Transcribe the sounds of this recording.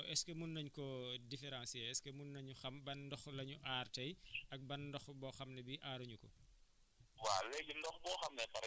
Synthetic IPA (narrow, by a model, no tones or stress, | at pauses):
ʔɛskɛmunːɐɲkɔdifɛɾãːnsjɛɛskɛmunːɐɲuxɐmbɐndɔxlɐɲuʔaːrtɐjɐk̚bɐndɔxbɔxɐmnɛbiʔaːɾuɲukɔ̰ | walɛɟundɔxbɔːxɐmnɛpɐɾ